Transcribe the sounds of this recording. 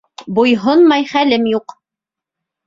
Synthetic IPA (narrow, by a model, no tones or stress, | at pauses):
bujɦonmɑjχælɘmjuq